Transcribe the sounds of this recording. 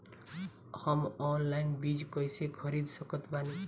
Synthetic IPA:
hʌmɔnlajnbid͡zkʌjsekʰʌɾid̪sʌkʌt̪bani

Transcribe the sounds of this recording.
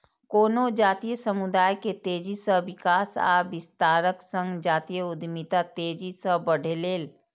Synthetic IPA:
koːnod͡ʒaːt̪ijəsəmud̪aːjket̪eːd͡ʒisəʋɪkaːsa̰ːʋɪst̪aːɾəksə̃ŋɡd͡ʒaːt̪ijəʊd̪mit̪at̪eːd͡ʒisəɦbəɽ̤ʱeleːl

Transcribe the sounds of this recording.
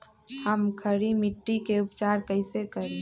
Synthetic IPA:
həmkʰəɾimɪʈːikeʊpt͡ʃaːɾkəɪsekəɾẽ

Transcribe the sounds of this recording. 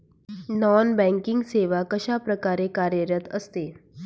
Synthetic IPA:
nɔnbɛ̃ŋkiŋɡseʋakəɕapɾəkaɾekaɾjəɾət̪əst̪e

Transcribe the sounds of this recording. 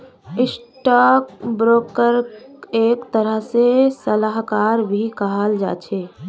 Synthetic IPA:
ɪsʈakbɾoːkəɾeːkt̪əɾəɦsesəlaɦkaːɾbʱikəɦəld͡ʒa̰ːt͡ʃʰeː

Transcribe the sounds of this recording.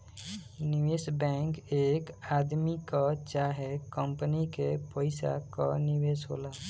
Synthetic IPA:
nɪʋeːsbɛ̃ŋkeːkaːd̪mikat͡ʃaɦekəmpənikepəɪsa̰ka̰nɪʋeːsɦo̰ːlaː

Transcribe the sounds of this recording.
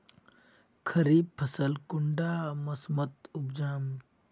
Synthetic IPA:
kʰɐɾiːb̚pʰɐsəlkʊɳɖaːmɐsmɐt̪ʊbd͡ʒaːm

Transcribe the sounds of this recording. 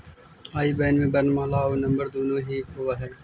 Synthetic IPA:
aːiːbɛːnmẽbɐɾnmãːlaːoːnɐ̃mbəɾd̪oːnoːɦiːɦoʋaːɦɛː

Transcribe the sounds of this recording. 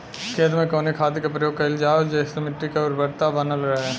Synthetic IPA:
kʰeːt̪mẽkoːnikʰaːd̪ikepɾəjoːɡ̚kɐɪld͡ʒaːd͡ʒeːsemɪʈɾikeɔɾbɐɾt̪abənəlɾɐɦe

